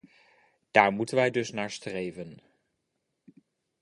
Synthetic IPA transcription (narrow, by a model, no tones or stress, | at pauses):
d̥aːɹmutənʋɛjdɵsnaːɹstrejvən